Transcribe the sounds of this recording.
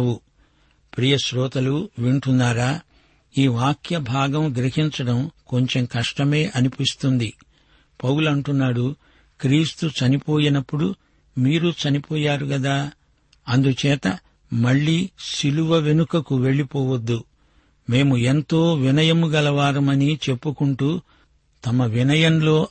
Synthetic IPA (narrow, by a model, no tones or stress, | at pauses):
u | pɾiːjɐʃɾɔːt̪ɐluʋiɳʈunːaːɾaː | iːʋaːkjɐbʱaːɡɐmɡɾiɦiɲt͡ʃɐɽɐmko̞ɲt͡ʃe̞mkɐʂʈɐme̞ːʔɐnipist̪und̪i | pɐwulɐɳʈunːaːɽu | kɾiːst̪ut͡ʃɐnipoːjinɐpːuɽu | miːɾut͡ʃɐnipɔːjaːɾuɡɐd̪aː | ɐnd̪ut͡ʃɛːt̪ɐ | mɐɭːiːsiluʋɐʋe̞nukɐkuʋe̞ɭːipɔːʋɐd̪ːu | me̞ːmue̞nt̪o̞ːʋinɐjɐmuɡɐlɐʋaːɾɐmɐnit͡ʃe̞pːukuɳʈuː | t̪ɐmɐʋinɐjɐmlo̞ː